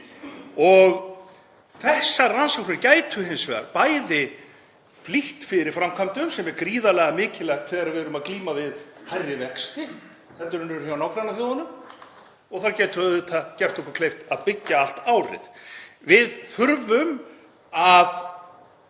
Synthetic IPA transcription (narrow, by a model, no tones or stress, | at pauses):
ɔɣ | θɛhsːaransɔwk̚nɪɾcaːjt̪ʰʏɦɪnsvɛːða̰ɾpaːjðɪ | fliht̪fɪɾɪ̥fɾamkʰamt̪ʏmsɛmɛɾkɾiːðalɛɣamɪːcɪlɛxt̪θɛːðaɾavɪðɾʏmaðkliːmavɪðhajrɪvɛkst̪ɪ | θɛnt̪ʏɾʏnɛɾçawnawkɾanːaθjowðanʏm | ɔɣθaɾcɛːjt̪ʏðʏt̪ʰacɛr̥t̪ɔhkʏɾkʰlejft̪aðpɪcːaal̥t̪aːwɾɪ̰ðvɪðθʏɾvʏm | að